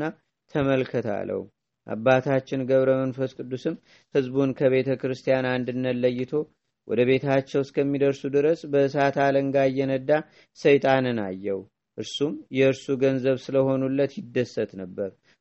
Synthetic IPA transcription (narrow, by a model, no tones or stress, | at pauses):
a | t̪ʰəməlkʰət̪ʰa̰lːə̰wu | ʔa̰bːat̪ʰat͡ʃːɪnɡəβɾəmənfəskʼɨd̪ːusɨm | hɨzbunkʰəβe̞t̪ʰəkɾɨst̪ʰijanand̪ɨnːəlːəjːɪt̪ʰo̞ | wɔ̰d̪əβe̞t̪ʰat͡ʃːɛwskʰəmːid̪əɾsud̪ɨɾəsbəɨsat̪ʰaləŋɡajːɛnəd̪a | səjt̪ʼanɨna̰jːɛwu | ʔɨɾsumjɛɨɾsuɡənzəβsɨləho̞nulːət̪jɪd̪ːəsːət̪nəbːəɾ